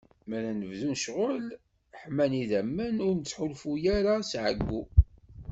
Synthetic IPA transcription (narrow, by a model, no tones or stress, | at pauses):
mæɾænəvðunʃʁʊl | ħmæniðæmːəniɾnət͡sːħʊlfujæɾasʕə̰ɡːu